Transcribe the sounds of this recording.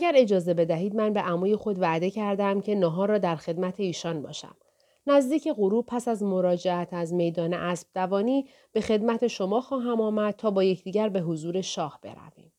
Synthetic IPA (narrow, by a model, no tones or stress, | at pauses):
æɟæɾe̞d͡ʒɒːze̞be̞d̪æɦiːd̪mænbe̞ʔæmuːje̞xo̞d̪væʔd̪e̞cʰæɾd̪æmcʰe̞nɒːɦɒːɾɒːd̪æɾxe̞d̪mæt̪ʰe̞iːʃɒːnbɒ̰ːʃæ̰m | næzd̪iːcʰe̞ɣoɾuːpʰæsæzmo̞ɾɒːd͡ʒeæt̪ʰæzme̞jd̪ɒːneʔæsb̥̚d̪̥ævɒːniː | b̥e̞xe̞d̪mæt̪ʰe̞ʃo̞mɒːxɒːɦæmɒːmæd̪̚t̪ʰɒːbɒːje̞cʰd̪iːɟæɾbe̞ɦozuːɾe̞ʃɒːhb̥e̞̰ɾæ̰vḭːm